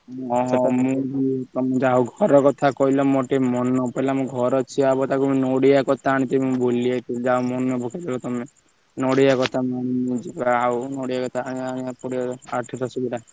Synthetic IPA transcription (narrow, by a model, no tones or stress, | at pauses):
ɔɦɔ̃mũd͡ʒit̪ɔmed͡ʒaoɡʱɔɾɔkɔt̪ʰakɔɦilɔmoʈemɔnɔpɔlamũɡʱɔɾɔt͡ʃʰiabɔt̪akumĩnoɽijakɔt̪ʰaːɽ̃ĩt̪emũboliat̪id͡ʒaomɔnɔbʱukʰed̪elɔt̪ɔme | noɽijakɔt̪ʰamaɽ̃iĩd͡ʒikaunoɽijakɔt̪ʰaːɽĩaɽ̃ĩapɔɽiɔaʈʰit̪ʰasubiɾa